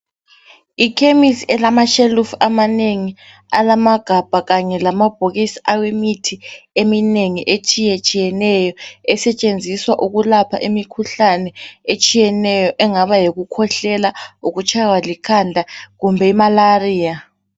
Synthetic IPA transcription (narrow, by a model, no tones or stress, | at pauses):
ikʰemisiɛlamaʃelufamaneŋi | alamaɡ̥ʱab̥ʱaɣaɲɛlamab̥ʱoɣisi̥ʔawemitʰiemineŋiʔet͡ʃʰʼijet͡ʃʼijɛnɛjɔɛsɛt͡ʃʼend͡zʱiswaʔuɣulapʰaʔimikʰuɬanɛet͡ʃʼijɛnɛjɔʔɛŋaβajiɣukʰɔɬɛlauɣut͡ʃʰʼawalikʰandʱaɣumbʱɛimalariːja